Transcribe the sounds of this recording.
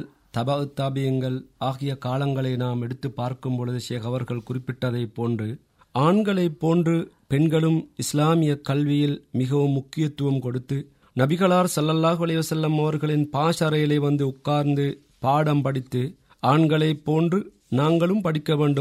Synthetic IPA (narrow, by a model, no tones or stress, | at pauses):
t̪ɐbɐɯt̪ːaːbɪjɐŋɡɐɭaːɣɪjɐkaːlɐŋɡɐɭɐɪnaːmɛɽɯt̪ːɯpːaːɾkɯmpɔɻɯðɯʃeːɣɐʋɐɾɣɐɭkʊrɪpːɪʈːɐðɐɪpːoːndrɯ | aːɳɡɐɭɐɪpːoːndrɯ | pɛɳɡɐɭɯmɪslaːmɪjɐkɐlʋɪjɪlmɪɣɐʋɯmːʊkːɪjɐt̪ːɯʋɐmkɔɽɯt̪ːɯ | nɐbɪɣɐɭaːɾsɐlːɐlːaːɣɯɐlɐɪʋɐsɐlːɐmɐʋɐɾɣɐɭɪnpaːʂɐɾɐjɪlɐɪʋɐnd̪ɯʊkːaːɾnd̪ɯ | paːɽɐmpɐɽɪt̪ːɯ | aːɳɡɐɭɐɪpːoːndrɯ | naːŋɡɐɭɯmpɐɽɪkːɐʋeːɳɖɯ